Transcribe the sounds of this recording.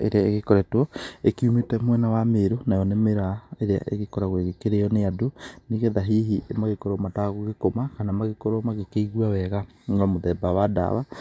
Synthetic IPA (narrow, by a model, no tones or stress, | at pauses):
ḛɾeaeɣekoɾɛtwɔekumetɛmwɛnawameɾonajɔnemeɾaeɾea̰ʔḛɣekɔɾaɣweɣekeɾeɔneadoneɣeðaɦiɦimaɣekoɾɔmataɣoɣekomakanamaɣekoɾɔmaɣekeiɣwawɛɣa | namoðɛbawada̰βa